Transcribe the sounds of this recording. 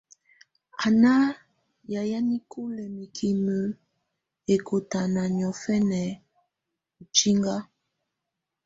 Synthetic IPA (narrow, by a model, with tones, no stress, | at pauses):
a˨na˦ | ja˨ja˦ni˦kʰu˦lɛ˨mi˨kʰi˨mə˨ | e˨ko˨ta˨na˨ɲ˨ɔ˨fɛ˦nɛ˨ | u˨t͡ʃi˦ŋɡa˦